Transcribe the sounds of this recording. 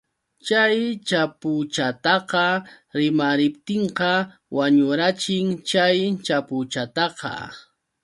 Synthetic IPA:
t͡ʃajt͡ʃapʊt͡ʃat̪ɑqɑ | ɾɪmaɾɪpt̪ɪɴqɑ | waɲʊɾat͡ʃɪŋt͡ʃajt͡ʃapʊt͡ʃat̪ɑqɑ̰

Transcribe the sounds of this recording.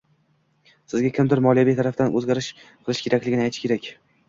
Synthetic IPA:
sɪzɡʲakʲɪmd̪ɪɾmɒlijabijt̪ʰaɾafd̪anɵzɡʲaɾɪʃqʰɨlˠɪʃkʲʰe̞ɾakʲlɪɡʲɪnɪajt̪ʰɪʃɪkʲʰeɾakʲ

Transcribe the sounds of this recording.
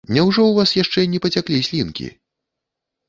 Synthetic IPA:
nʲɛwʐɔwvasjaʂt͡ʂɛnʲɛpɐt͡sʲaklʲisʲlʲinkʲḭ

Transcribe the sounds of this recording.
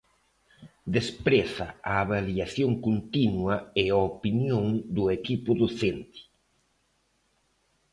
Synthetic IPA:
d̪espɾɛθa̰aːβaljaθjoŋkont̪inwɐeaopinjõŋd̪ʊekipʊðoθent̪i̥

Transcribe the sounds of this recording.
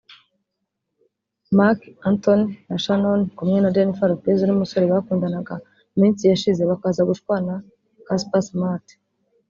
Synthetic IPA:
makantonnaʃanonkumŋe̞nadenifaɾopezonumuso̞ɾeβakuːndanaɡa | mĩːnsijaʃize̞βakaːzaɡuʃkwaːna | kaspasmat

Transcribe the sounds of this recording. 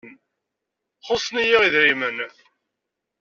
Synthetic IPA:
n | χosˤnijiʁiðɾimənθ

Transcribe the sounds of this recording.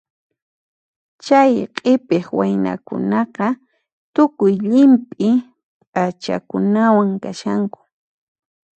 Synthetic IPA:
t͡ʃajqʼepeχwajna̰kʊ̰nɑqɑ | t̪ʊkʊjʎɪmpʼɪ | pʼat͡ʃa̰kʊnawaŋkaʃaŋkʊ̥

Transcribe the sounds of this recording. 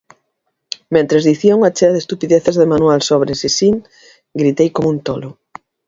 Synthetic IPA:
mẽnt̪ɾezðiθiouŋat͡ʃeɐðest̪upiðeθezðemanuwalsoβɾesisiŋ | ɡɾit̪ejkomunt̪olʊ

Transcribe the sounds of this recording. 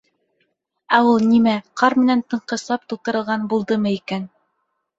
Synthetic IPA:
æulˠnimæqɑɾmɘ̆nænt̪ɤ̆ɴqɤ̆sɑp̚t̪ulˠt̪ɤ̆ɾɤ̆lˠʁɑnbulˠd̪ɤmɤikæn

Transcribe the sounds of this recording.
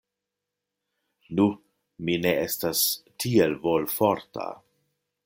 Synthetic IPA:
nu | mine̞estastʰie̞lvolfo̞ɾtʰa̰

